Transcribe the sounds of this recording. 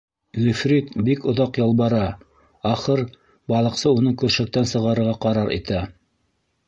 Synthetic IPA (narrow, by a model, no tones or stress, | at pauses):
ʁɵ̆fɾit̪bikŏðɑqjɑlˠbɑɾɑ | ɑχɤɾ | bɑlˠɤ̆qsɤunɤkɵ̆ɾʃæ̆k̚t̪ænsɤ̆ʁɑɾɤ̆ɾʁɑqɑɾɑɾḭt̪æ